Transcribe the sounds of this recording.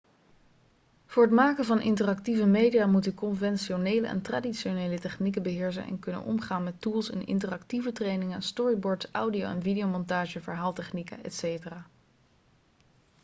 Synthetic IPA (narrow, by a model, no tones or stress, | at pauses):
v̥ʊːɹɦətmaːkəvɑnʔɪ̰ntərɑktivəmejdijaːmutykɔnvɛnʃonejlə̰ʔɛ̰ntraːdiʃonejlətɛχnikənbəɦɪːɹs̬ə̰nɛ̰nkɵnə̰nʔɔ̰mχaːnmɛtulˠsɪ̰nʔɪ̰ntərɑktivətrejnɪŋənstɔɹibɔːɹtsʔa̰wdio̰wɛnvidiowmɔntaːʒəvəɹɦaːlˠtɛχnikə̰ɛ̰tsejtəraː